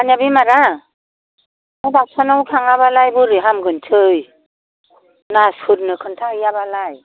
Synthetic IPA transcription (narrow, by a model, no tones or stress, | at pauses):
anjabimaɾa | abak̚sʰanawkʰaŋaβalajbuɾɯɦamɡɯntʰɯj | naskʰuɾ̚nɯkʰɯntʰaɯjabalaj